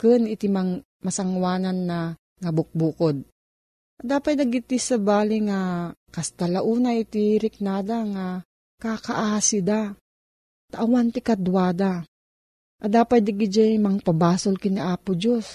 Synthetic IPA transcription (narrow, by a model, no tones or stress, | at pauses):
kɨnɪt̪imaŋ | mɐsɐŋwaːnanːɐ | ŋɐbʊk̚bukod̪̚ | ʔɐd̪aːpaj̪nɐɡɪt̪ɪsɐbaːlɪŋakɐst̪alaʔuːnaʔɪt̪iɾɪk̚naːd̪aŋa | kakaʔaːsid̪a | t̪aʔawant̪ɪkad̪waːd̪a | ʔɐd̪aːpaj̪̚d̪ɪɡɪd͡ʒajmɐŋpabaːsʊlkɪniʔaːpʊd͡ʒos